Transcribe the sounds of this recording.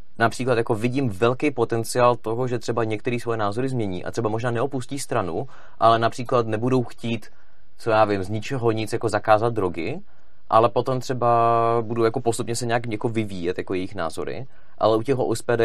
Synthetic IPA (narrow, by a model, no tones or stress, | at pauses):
napr̝̥iːklat̪jakovɪɟiːmvɛlkɛjpo̞t̪ɛnt͡sɪaːlt̪o̞ɦoʒɛt̪r̥ɛbaɲɛk̚t̪ɛɾiːsvojɛnaːzo̞ɾɪzmɲɛɲḭːʔa̰t̪r̥ɛbamoʒnaːnɛopusciːst̪ɾanu | ʔalɛnapr̥iːklat̪nɛbudo̞wxciːt̪ | t͡sojaːvɪmzɲɪt͡ʃɛɦo̞ɲɪt͡sjako̞zakaːzat̪̚d̪ɾo̞ɡɪ | ʔalɛpo̞t̪o̞mt̪r̥ɛbabuduwjakopost̪upɲɛsɛɲɛakakovɪviːjɛt̪jako̞jɛjɪxna̰ːzo̞ɾɪ̰ | ʔa̰lɛʔucɛɣɦoʔospɛdɛ